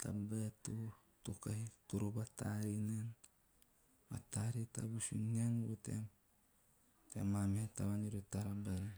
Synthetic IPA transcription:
ta̰betu | tukajtuɾubataɾinen | ma̰taɾita̰busṵŋeŋbutḛm | tḛmametaβaniɾutaɾabeɾ

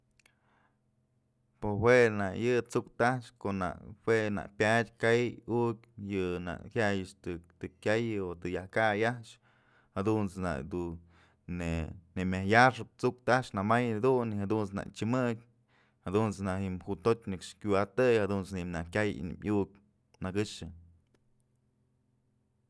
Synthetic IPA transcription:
poɦwenaʔjɨt͡suk̚t̪aʂkoʔna̰ʔhwena̰ʔpʲad̪ʲkajukʲjɨna̰ʔhʲjajɨt͡ʃt̪ɨt̪ɨkʲajot̪ɨjahkajaʂ | had̪unt͡sna̰ʔd̪u | nenemʲajaʂɨp̚t͡suk̚t̪aʂnamajd̪unihad̪unt͡sna̰ʔt͡ʃɨmɨdʲ | had̪unt͡snahimhut̪otʲnɨkʂkʲuat̪ɨjhad̪unt͡simnakʲaj̰nɨ̰mʲuk̚ | naɡɨʂɨ

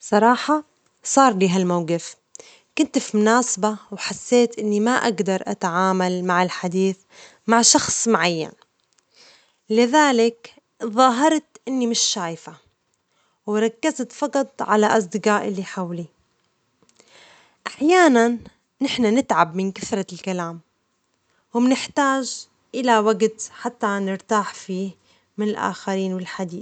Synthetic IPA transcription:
sˤɑɾˤɑːħa | sˤɑːɾˤliːɦalmawɡɪf | kʊnt̪fimʊnaːsabawħasːeːt̪ʔɪnːimaʔaɡd̪ɑɾˤʔa̰t̪ʕaːmalmaʕɪlħad̪iːθ | maʕʃɑxsˤmʊʕajːa̰n | lɪðaːlɪk | ðˤɑːɦɑɾˤt̪ʔɪnːimɪʃːaːjfa | wɾˤɑkːazt̪fɑqɑt̪ˤʕalaʔɑs̬ˤd̪ɪqɑːʔɪlːiħawli | ʔaħjaːnanː | ɪħnanɪt̪ʕabmɪnkaθɾˤɑlkalaːm | wɪmnɪħt̪aːʒ | ʔɪlawaɡt̪ħat̪ːanɪɾt̪aːħfiː | mɪnɪlʔa̰ːxaɾiːnwɪlħad̪iːθ

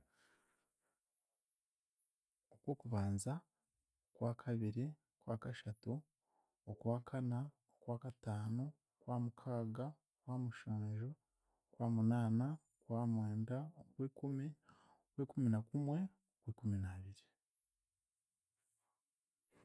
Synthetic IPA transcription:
okwo̞ːkuβaːnza | kwaːkʰaβiɾi | kwaːkaʃatu | okwaːkʰana | okwaːkataːno̞ | kwaːmukʰaːɡa | kwaːmuʃaːnʒo | kwaːmunaːna | kwaːmweːndakweːkumi | okweːkuminakumwe̞ | okweːkuminaːβiɾi

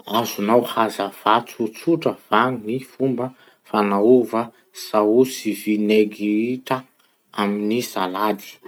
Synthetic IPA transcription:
azunawhazav̥at͡sut͡suʈ͡ʂəv̥anifumbə | fanauvə | sausivineɡiiʈ͡ʂa | aminisalad̪i̥

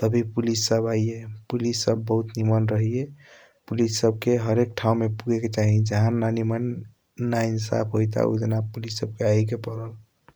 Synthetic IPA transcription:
t̪əbʱipulisːəbajepulisːəbːəɦut̪nimənɾəɦie | pulisːəb̚keɦəɾek̚ʈʰaw̃mepuɡʱeket͡ʃaɦid͡ʒaɦãnanimənː | ainsa̰pʰɦojt̪a̰ṵd̪ənapulisːəb̚keajkepəɾəl

